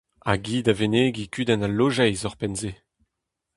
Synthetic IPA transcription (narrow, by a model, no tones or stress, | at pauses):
a̰ɡiːd̪aveneɡikyːd̪ɛnalːoʒɛjzɔʁpɛnzeː